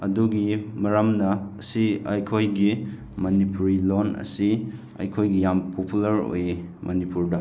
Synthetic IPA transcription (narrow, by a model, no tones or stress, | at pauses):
ɐduɡimɐɾamnɐːsiɐjkʰojɡi | mɐnipuɾilonɐ̰si | ɐ̰jkʰojɡijampʰopulɐɾo̰j | mʔɐnipuɾdɐ